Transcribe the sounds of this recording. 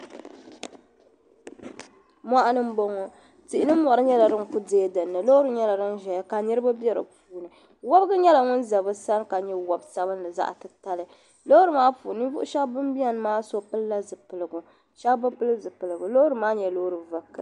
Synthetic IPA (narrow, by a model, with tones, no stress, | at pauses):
mʷa˦ʔa˦nɨ˦m̩˦bo˦ŋɔ˦ | ti˨ʔɪ˨nɨ˦mɔ˨ɾɨ˦ɲɛ˦la˨ɾɨ˦ŋku˦deː˦dɨ˨nːɨ˨lo˦ɾɨ˨ɲɛ˦la˨ɾɨ˦n˦ʒɛ˨ja˦ka˨nɨ˦ɾɨ˦ba˦bjɛ˦ɾɨ̰˨puː˨nɨ˨ | wɔ˦bɡɨ˦ɲɛ˦la˨ŋʊ˦n˦za˨bɨ˦sa˦n˦ka˨ɲɛ˦wɔ˦bsa˦bɨ˦n˦lɨ˨za̰˦ʔtɨ˨ta˨lɨ˨ | lo˦ɾɨ˨maː˦puː˨nɨ˦vʊ̰˦ʔʊ˦ʃa˦bbɨ˦mbi˦a˦n˦maː˦so˦pɨ˦lːa˦zɨ˨pɨ˨lɨ˨ɡʊ˨ | ʃa˦bbɨ˦pɨ˦lɨ˦zɨ˨pɨ˨lɨ˨ɡʊ˨lo˦ɾɨ˨maː˦ɲɛ˨lo˦ɾɨ˨va˨kːɨ̰˨